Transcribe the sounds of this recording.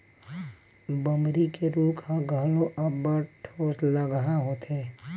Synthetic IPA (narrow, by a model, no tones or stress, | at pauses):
bəmɾikeɾuːkʰɦaɡʱəlõʔɐbəʈʰoːsləɡɦaɦoːt̪eː